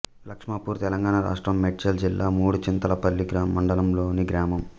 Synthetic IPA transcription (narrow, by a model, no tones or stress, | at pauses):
lɐkʂmaːpuːɾt̪ɛlɐŋɡaːɳɐɾa̰ːʂʈɾɐmːeʈit͡ʃɐld͡ʒilːaːmuːɽut͡ʃint̪ɐlɐpɐlːiɡɾaːmːɐɳɖɐlɐmloːniɡɾaːmɐm